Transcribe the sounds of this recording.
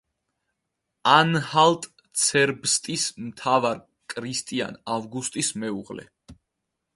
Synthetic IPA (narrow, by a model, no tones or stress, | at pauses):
anhalt̪ʼ | t̪sʰɛɾbst̪ʼismt̪ʰavaɾ | kʼɾist̪ʼia̰navɡust̪ʼismɛuʁlɛ̰